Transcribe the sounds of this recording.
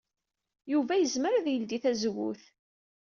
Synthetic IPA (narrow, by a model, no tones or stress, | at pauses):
juvæjəzməɾðjəld̪iθæzwṵθ